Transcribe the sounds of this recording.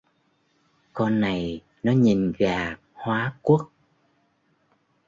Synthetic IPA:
kɔ˧nːa˨˩j | nɔ˨˦ɲi˨˩nɣaː˨˩ | hwaː˨˦ku˦˥ək̚

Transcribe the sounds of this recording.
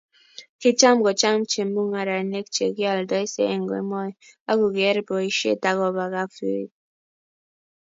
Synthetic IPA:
ki˦t͡ʃa˦mɡɔ˨t͡ʃa˦m˦t͡ʃe˨mu˦ŋa˨ɾa˨ne˦k̚t͡ʃḛ˨ɡjɔ˨ldɔ˦i˦sḛ˦e˨ŋ˨ɡɔ˨ḛ˨˦mɔ˦ja˦ɡu˨ɡɛ˦ɾbɔ˨i˨ʃḛ˦˨ta˨ɣɔ˨ba˨ɣa˦fi˦˨t̚

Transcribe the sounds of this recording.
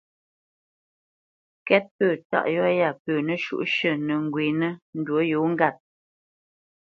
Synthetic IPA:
kɛ˦t̚pəː˦˨ta̰˦˨ʔjɔ˦ja˦˨pəː˨nə˦ʃṵ˨ʔʃə˦˨nə˨ŋ̩˨ɡwi˨nə˦n̩˦dwo˨˦jo˨˦ŋ̩˦ɡa˦˨t̚

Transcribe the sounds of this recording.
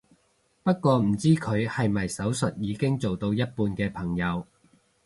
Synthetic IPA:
pɐ˥t̚kʷɔː˧m̩˨˩t͡siː˥kʰɵ˨˧ɥhɐ˨jmɐ˨˩jsɐ˨˥wsɵ˨t̚jiː˨˧kɪ˥ŋt͡so˨wt̪o˧wjɐ˥t̚puː˧nkɛː˧pʰɐ˨˩ŋjɐ˨˧w

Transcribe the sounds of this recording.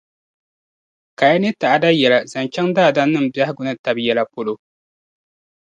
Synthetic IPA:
ka˨ja˦ne˦ta˨ʔa˦da˦jɛ˨la˨za˨nt͡ʃɛ˦ŋdaː˦˨da˦nːɨ˦m̩˨bja˦hɡʊ˦nɨ˦ta˦bjɛ˨la˨po˦lo˦

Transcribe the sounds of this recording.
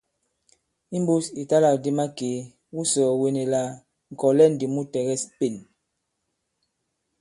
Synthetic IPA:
i˦m˦bu˦si˨ta˦la˨kdi˦ma˦keː˨˦ | wu˦sɔː˨we˨ne˨la˨ | ŋ̩˨kɔ˨lɛ˦˨n̩˨di˨mu˦tɛ˨ɣɛ˦spe˦˨n

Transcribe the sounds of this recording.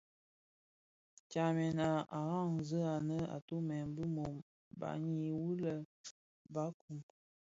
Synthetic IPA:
t͡ʃa˨mɛ˨na˨a˨ɣa˦˨ŋzə˦a˨nə˦a̰˨tu˦mɛ˨nbə˦mo˨m | ba̰˨ɲi˨wu˦lə˦ | ba˦ku˨m

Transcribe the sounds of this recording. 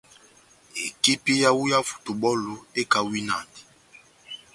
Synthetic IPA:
ḛ˨ki˦pi˦ja˦wu˦ja˦fu̥˨tu˨ɓɔ˦lu˨e˦ka˨wi˦na̰˨nti̥˨

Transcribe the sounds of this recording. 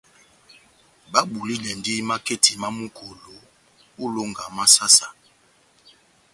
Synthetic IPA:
ba˦ɓu˨li˦lɛ˨ndi˦ma˦ke˦tʰi˨ma˦mu˦kʰo˨lo˨ | u˦lo˦ŋɡa˨ma˦sa˦sa˨

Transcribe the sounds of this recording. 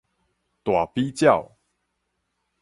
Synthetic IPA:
t̪wa˨˩pi˦t͡ɕja˥˨ʊ

